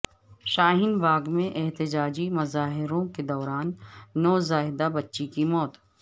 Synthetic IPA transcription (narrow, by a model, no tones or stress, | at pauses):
ʃaːɦɪnbaːɡmẽʔɛɦt̪ɪd͡ʒaːd͡ʒimɐzaːɦɪɾõked̪ɔːɾaːnːɔːzaːɦɪd̪abɐtːʃikimɔːt̪